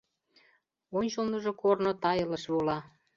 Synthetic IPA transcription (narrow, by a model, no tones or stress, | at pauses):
onʲt͡ɕolnəʒɤ̆kornot̪ɑjɤ̆lə̆ʃβulɑ